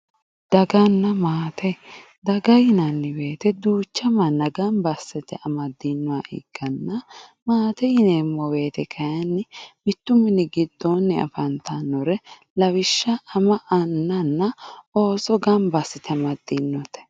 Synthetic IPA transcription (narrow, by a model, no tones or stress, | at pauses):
d̪̥ɐɡɐnːɐmaːt̪ʰɛ | d̪ɐɡɐjɪnɐnːɪweːt̪ɛd̪uːt͡ʃːɐmɐnːɐɡɐmbɐsːɪt̪ɛʔɐmɐd̪ːinːʊwaʔɪ̰ɡ̥ːɐnːɐmaːt̪ɛjɪnemːɔwe̞ːt̪ɛkʰɐjɐnːɪmɪt̪ːʊmɪnɪɡɪd̪ːɔnːɪɐ̰fɐnt̪ɐnːɔɾɛ | lɐwɪʃːɐɐmɐʔɐnːɐnːɐo̞ːsɔɡɐmbɐsːɪt̪ʰɛmɐd̪inːɔt̪ɛ̥